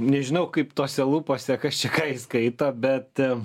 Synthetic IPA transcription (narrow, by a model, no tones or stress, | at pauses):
nʲɛʒʲɪnɐʊkɐɪpt̪oːsʲɛlˠuːpoːsʲɛkɐst͡ʃʲɛkɑːiskɐɪt̪ɐbʲɛt̪